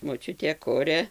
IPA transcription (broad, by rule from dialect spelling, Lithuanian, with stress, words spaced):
moːˈt͡ʃʲʊtʲeː ˈkʊrʲɛ